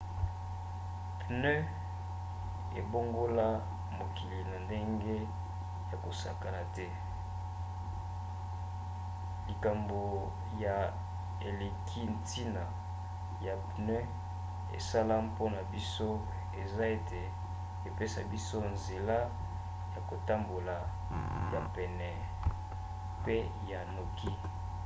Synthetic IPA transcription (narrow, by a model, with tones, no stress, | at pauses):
pnø˦ | e˨bo˦ŋɡo˦la˦ | mo˨ki˨li˨na˨nde˦ŋɡe˦ | ja˨ko˨sa˨ka˨la˨tɛ˦ | li˨ka˨mbo˨ | ja˨ | e˨le˨kʰi˦n˨ti˦na˨ | ja˨bne˦ | ḛ˨sa˦la˦po˦na˨bi˦so˦ | e˨za˦e˨te˨ | e˨pe˦sa˨bi˦so˦nze˨la˦ | ja˨ko˨ta˦mbo˨la˨ | ja˨pɛ˨nɛ˨ | pe˦ | ja˨no˨ki˦